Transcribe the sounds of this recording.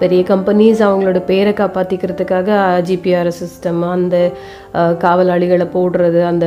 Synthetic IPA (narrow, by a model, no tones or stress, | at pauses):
pɛɾɪjɐkɐmpɐnisɐʋɐŋɡɐɭoːɽɐpeːɾɐɛkːaːpaːt̪ɪkʲːɪɾɐðɯkːaːɣɐd͡ʒipiaːɾsɪsʈɐmɐnd̪ɐ | kaːʋɐlaːɭɪɣɐɭpoːɽɯɾɐðɯɐnd̪ɐ